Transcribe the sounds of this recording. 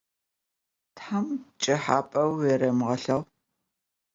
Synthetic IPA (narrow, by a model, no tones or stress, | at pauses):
tħamt͡ʃʼɪħaːpʼɐweɾɐmʁɐɬɐʁ